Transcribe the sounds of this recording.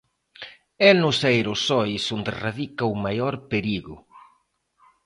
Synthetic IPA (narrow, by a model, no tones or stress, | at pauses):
ɛnʊsejɾʊsɔjsʊnd̪ɪraðikɐʊmajɔɾpeɾiɣʊ